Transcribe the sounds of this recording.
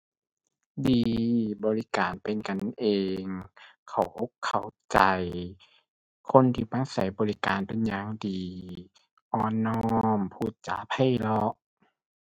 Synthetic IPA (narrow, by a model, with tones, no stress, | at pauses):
diː˧bɔː˨˧li˦˥kaː˨npe˨nka˨nʔeː˨˧ŋkʰa̰˨˧˩wkʰa˧˩wt͡ɕa˨˧j | kʰo˧˥˨nt̪ʰiː˧˩pa˧˥˩sa̰˨˦jbɔː˨˧li˦˥kaː˨npe˨nɲaː˧ŋdiː˨ | ʔɔː˧nːɔː˧˥mpʰuː˧˩t̪̚t͡ɕa̰ː˨˦pʰa˧˥˩jlɔ˧ʔ